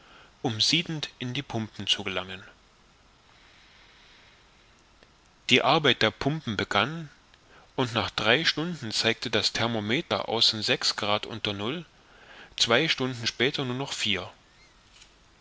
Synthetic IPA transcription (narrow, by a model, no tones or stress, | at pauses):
ʔʊmziːdn̩tʔɪndiːpʰʊmpn̩t͡suɡəlaŋən | d̥iːʔaɐbaɪt̚d̥eːɐpʰʊmpm̩bəɡan | ʔʊntnaːχd̥ʁaɪʃtʊndn̩t͡saɪk̚tədastʰɛɐmomeːtɐ̰ʔa̰ʊsnzɛksɡ̥ʁaːtʔʊ̰ntɐnʊl | t͡sv̥aɪʃtʊndn̩ʃpɛːtɐnuːɐnɔχfiːɐ